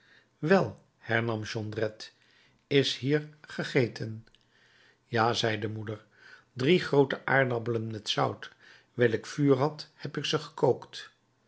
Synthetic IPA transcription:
ʋɛlˠ | hɛɹnɑmʒɔndrɛt | ɪshiːɹχəχejtʰən | jaːzɛjdəmudəɹ | driχrowtəʔaːɹdɑbələnmɛtsʌwt | ʋɛlɪkfyːɹɦɑthɛpɪksəχə̥kowkt

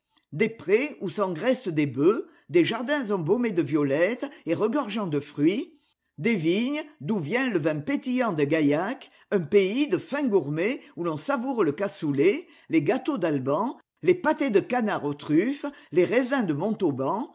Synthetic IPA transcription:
d̪epχeusɑ̃ɡʁɛsəd̪ebø | d̪eʒaʁd̪ɛ̃zɑ̃bɔmed̪əvjɔlɛt̪eʁəɡɔʁʒɑ̃d̪əfχɥi | d̪eviɲd̪uvjɛ̃ləvɛ̃pet̪ijɑ̃d̪əɡajak | œ̃peid̪əfɛ̃ɡuʁmeulɔ̃savuʁləkasule | leɡat̪od̪albɑ̃ | lepat̪ed̪əkanaʁot̪χyfleʁɛzɛ̃d̪əmɔ̃t̪obɑ̃

